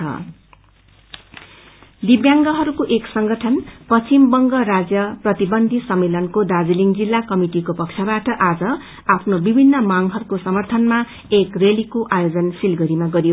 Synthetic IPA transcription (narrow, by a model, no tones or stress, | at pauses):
ʌ̰ | d̪ibjaŋɡʌɦʌɾukoʔeksʌŋɡʌʈʰʌnpʌt͡simbʌŋɡʌɾad͡zjʌprʌt̪ibʌnd̪ʱisʌmːelʌnkod̪ad͡ziliŋd͡zilːakʌmiʈikopʌkt͡sʰʌbaʈʌʔad͡zʌ | apʰnobibʱinːʌmaŋɦʌɾukosʌmʌrt̪ʰʌnma | ekrelikoʔajod͡zʌnsilɡʌɾimaɡʌɾijo